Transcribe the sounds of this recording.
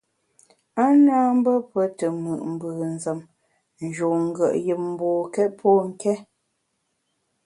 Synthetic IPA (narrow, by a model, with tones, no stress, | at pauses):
a˦naː˦m̩˦bə˦pə˨tə˨mɯ˨ʔm̩˨bʉː˨n̩˨zə˨m | n̩˨d͡ʒo˨ŋ̩˦˨ɡə˨ʔjə˨p̚m̩˨bɔː˨kɛ˦t̚pʰɔː˦ŋ̩˦˨kɛ˦